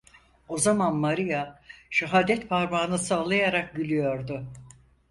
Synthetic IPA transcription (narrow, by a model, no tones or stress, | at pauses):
o̞zamanmaɾijaʃaɦaːd̪ɛt̪pʰaɾmaːnɯsaːlˠajaɾak̚ɟylʲyjo̞ɾd̪ʊ